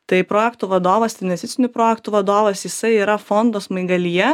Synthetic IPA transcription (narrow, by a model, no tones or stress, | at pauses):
t̪ɐɪpɾoːjɛkt̪uʋɐd̪oːʋɐstɪnʋʲɛsʲt̪ʲɪt͡s̪ʲsʲɪnʲʊpɾoːjɛkt̪ʊʋɐd̪oːʋɐsjɪsɐɪiːɾɐfond̪oːsmɐɪɡɐlʲijɛ